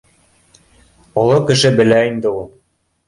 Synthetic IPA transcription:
ŏlˠokɘ̆ʃɘbɘ̆læind̪ɘulˠ

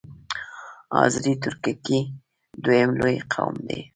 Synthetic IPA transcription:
ɑzɾit̪ʊɾkaki | d̪wojemlojqʰawmd̪e

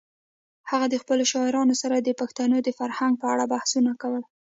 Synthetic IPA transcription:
haɣad̪əxpəloʃɑɪɾɑnosaɾad̪əpaxt̪ɑnod̪əfaɾhaŋɡ̚pəaɽabahsunakawəl

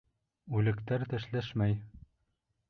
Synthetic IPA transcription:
ʉlɘ̆kt̪æɾt̪ɘ̆ʃlæʃmæj

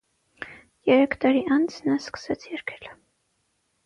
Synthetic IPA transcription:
jɛɾɛkʰt̪ɑɾiʔɑnt͡sʰnɑskə̥sɛt͡sʰjɛɾkʰɛ̥l

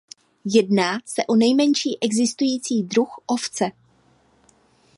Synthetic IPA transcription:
jɛdnaːsɛʔo̞nɛjmɛɲʃiːʔɛɡzɪst̪ujiːt͡siːdɾuxʔo̞ft͡sɛ

